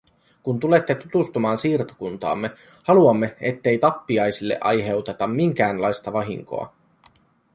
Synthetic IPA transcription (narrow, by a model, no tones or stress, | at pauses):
kunt̪ule̞t̪ːe̞t̪ut̪ust̪umɑːnsiːrt̪o̥kunt̪ɑ̰ːmːe̞ | hɑluɑmːe̞et̪ːe̞jt̪ɑpːiɑjsilːḛʔɑjɦe̞wt̪e̞t̪ɑmːiŋk̟æːnlɑjst̪ɑʋɑɦḭŋko̞̰ɑ̰